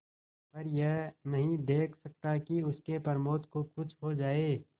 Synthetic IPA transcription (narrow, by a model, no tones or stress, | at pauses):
pɐɾjɛɦnɐɦĩd̪eːkʰsɐk̚t̪akiʊskepɐɾmoːt̪kokʊt͡ʃʰɦod͡ʒaːeː